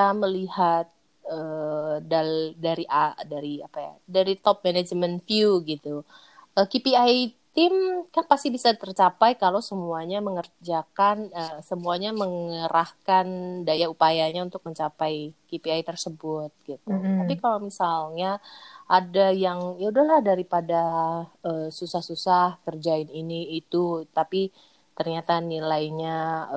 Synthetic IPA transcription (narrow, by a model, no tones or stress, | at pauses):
aməlihat̪̚ | əːdaldaɾiʔadaɾiapaja̰daɾit̪ɔp̚menad͡ʒmənfjuɡit̪u | əːkipiajt̪ɪmkanpast̪ibisat̪ərt͡ʃapajkalawsəmuaɲaməŋərd͡ʒakanəːsəmuaɲaməŋəɾahkandajaupajaɲaunt̪ʊk̚məɲt͡ʃapajkipiajt̪ərsəbʊt̪̚ɡ̥it̪ut̪apikalawmisalɲaʔadajaŋjaudahlahdaɾipadaəsusahsusahkərd͡ʒaɪniniːt̪ut̪api | t̪ərɲat̪anilajɲa